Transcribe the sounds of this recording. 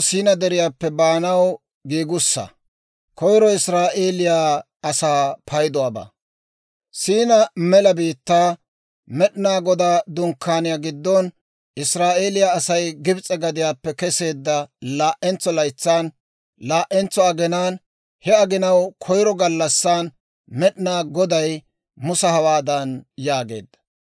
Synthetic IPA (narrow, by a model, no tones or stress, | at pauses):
siːnɐd̪ɛɾɪjaːpːɛbaːnɐw | ɡiːɡʊsːɐ̰ | kɔjɾɔɪsɾaːʔe̞ːlɪjaː | ɐsaːpʰɐjd̪ɔwaːba̰ | siːnɐmɛlɐbiːt̪ːaː | mɛɗɪnaːɡɔd̪aːd̪ʊŋkʰːaːnɪjaːɡɪd̪ːɔn | ɪsɾaːʔeːlɪjaːsɐjɡɪbt͡sʼɛɡɐd̪ɪjaːpːɛkɛse̞ːd̪ːɐlaːʔɛnt͡sːɔlɐjt͡sːaːn | laːʔɛnt͡sːɔɐɡɛnaːn | hɛɐɡɪnɐwkʰɔjɾɔɡɐlːɐsːaːn | mɛɗnaːɡɔd̪ɐj | mʊsɐhɐwaːd̪ɐnjaːɡe̞̰ːd̪ːɐ̥